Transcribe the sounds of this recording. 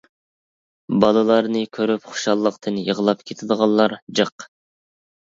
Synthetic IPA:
bɑlˠɨlˠɑɾnɨkʲʰøɾypχʊ̥ʃɑlˠːəqt̪ʰɨnjəʁəlˠɑpkʲʰet̪ʰɪd̪ˠʁɑlˠːɑɾd͡ʒəq

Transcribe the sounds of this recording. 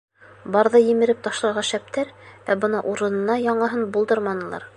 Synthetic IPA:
bɑɾðɤjɘ̆mɘ̆ɾɘp̚t̪ɑʃlˠɑɾʁɑʃæp̚t̪æɾvæbɤnɑʔuɾɤ̆nɤ̆nɑjɑɴlˠɤ̆ɦɤnbulˠd̪ɤɾmɑnɤ̆lˠɑ̰ɾ

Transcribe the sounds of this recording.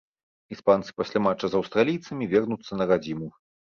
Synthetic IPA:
ispant̪sɨ̥pasʲlʲamat͡ʂːɐzɐwst̪ɾalʲijt̪sɐmʲivʲɛrnut̪sːɐnɐɾad͡zʲimu

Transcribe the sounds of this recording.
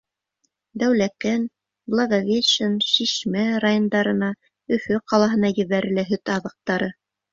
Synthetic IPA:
d̪æwlæk̪æn | blˠɑɡovʲeʃɤnʃiʃmæɾajond̪ɑɾɤ̆nɑ | ɵ̆fɵqɑlˠɑɦɤ̆nɑjɘ̆βæɾɘ̆læɦɵt̪ɑðɤ̆q̚t̪ɑɾɤ

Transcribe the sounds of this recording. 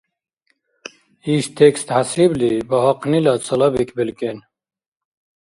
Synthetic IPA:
iɕt̪ʰekst̪hasiblibɐɦɐqnilat͡sɐlɐbikʰbilken

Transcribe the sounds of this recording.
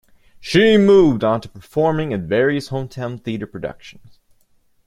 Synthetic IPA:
ʃimuvd̃ntʰu̥pʰə˞fɔɹmɪ̃ŋɨ̃nvɛɹiɨshõʊ̃mtʰɛ̃nθiɨɾə˞pʰɹ̥ɨdʌ̰kʃn̩z̥

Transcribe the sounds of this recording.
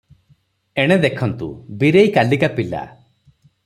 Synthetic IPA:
eɽ̃ed̪ekʰɔnt̪ṵbiɾejkalikapila̰

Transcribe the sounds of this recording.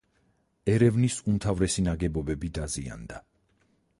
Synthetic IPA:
ɛɾɛvnisumt̪ʰavɾɛsinaɡɛbɔbɛbid̪azia̰nd̪a

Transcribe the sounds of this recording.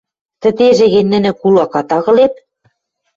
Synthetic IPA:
t̪ɘ̆t̪eʒeɣĕnʲːɘ̆nɘ̆kulɑkɑt̪ɑɣɤ̆lep̚

